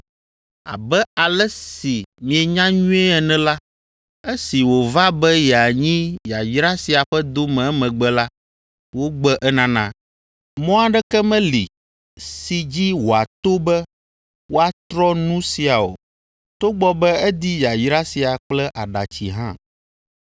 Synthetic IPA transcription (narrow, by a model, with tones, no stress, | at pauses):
a̰˨bɛ˦a˨lɛ˦si˨mĩ˨ɛ˨ɲã˦ɲũ˦ɛ˦ɛ˨nɛ̃˦la˦ | ɛ˦si˨wo˨va˦bɛ˦jɛ˨a˨ɲĩ˦ja˨jɾa˦si˨a˨ɸɛ˦d̪o˦mɛ̃˨ɛ˦mɛ̃˨ɡ͡bɛ˦la˦ | wo˦ɡ͡bɛ˦ʔɛ˦nã˦nã̰˦˨ | mɔ̃˦a˨ɖɛ˦kɛ˦mɛ̃˦lḭ˨ | si˨d͡ʑi˦wo˨a˨t̪o˦bɛ˦ | wo˦a˦t̪ɾɔ˦nũ˦si˨a˨o̰˨ | t̪o˦ɡ͡bɔ˦bɛ˦ɛ˦d̪i˦ja˨jɾa˦si˨a˨k͡plɛ˦ʔa˨ɖa̰˨t͡ɕḭ˨ɦã̰˦